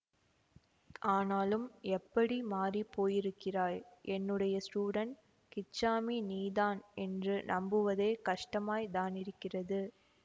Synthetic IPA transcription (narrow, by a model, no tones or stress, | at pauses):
ʔaːnaːlɯmɛpːɐɽimaːripːoːjɪɾɯkːɪraːɻʔɛnːɯɽɐjɐsʈuːɽɐɳ | kɪt͡ʃːaːminiːðaːnɛndrɯnʔɐmbɯʋɐðeːkɐʂʈɐmaːjd̪aːnɪɾɯkːɪrɐðɯ